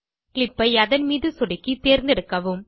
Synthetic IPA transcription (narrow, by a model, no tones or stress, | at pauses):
klɪpːɐɪɐðɐnmiːðɯsɔɽɪkːit̪eːɾnd̪ɪɽɯkːɐʋɯm